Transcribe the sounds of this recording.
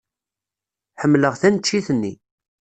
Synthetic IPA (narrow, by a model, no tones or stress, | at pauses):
ħəmːləʁθænət͡ʃːiθənːḭ